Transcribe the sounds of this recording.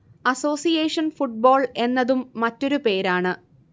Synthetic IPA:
ɐso̞ːsijeːʂɐnfuʈ̚bo̞ːɭe̞nːɐðumːɐtːo̞ɾupe̞ːɾaːɳɨ

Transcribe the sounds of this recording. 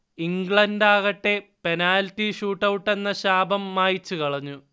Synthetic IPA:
iŋɡɭɐndaːɣɐʈːe̞pe̞naːltːiɕuːʈːɐwuʈːe̞nːɐɕaːbɐmːaːjit͡ɕːukɐɭɐɲːu

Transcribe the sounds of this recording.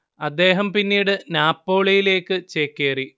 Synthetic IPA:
ɐd̪ːe̞ːɦɐmpinːiːɽɨnaːpːo̞ːɭɐjile̞ːkːɨt͡ɕeːkːeːri

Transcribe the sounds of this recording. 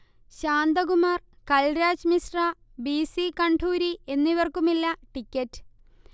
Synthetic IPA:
ɕaːnd̪ɐɣumaːr | kɐlɾaːd͡ʑmisra | bisikɐɳɖʰʱuːɾie̞nːiʋɐrkumilːɐʈikʲːɐtːɨ̥

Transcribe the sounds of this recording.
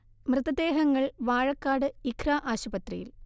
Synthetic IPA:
mrɨðɐd̪e̞ːɦɐŋːɐɭʋaːɻɐkːaːɽɨikʰraːʔaːɕubɐt̪rḭjḭl

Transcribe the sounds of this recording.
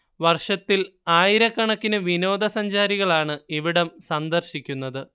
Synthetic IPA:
ʋɐrʂɐt̪ːilaːjiɾɐkːɐɳɐkːinɨʋino̞ːd̪ɐsɐɲd͡ʑaːɾiɣɐɭaːɳɨiʋiɽɐmsɐnd̪ɐrɕikʲːunːɐðɨ

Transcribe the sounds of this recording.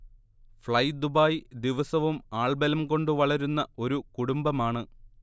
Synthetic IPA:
fɭɐjd̪ubaːjd̪iʋɐsɐʋumaːɭbɐlɐmko̞ɳɖɨʋɐɭɐɾunːɐo̞ɾukuɽumbɐmaːɳɨ

